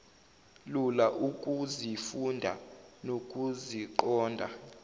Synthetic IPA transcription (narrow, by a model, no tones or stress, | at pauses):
lulaʔukʼuzifundʱa̰nokʼuziǃɔːndʱa̰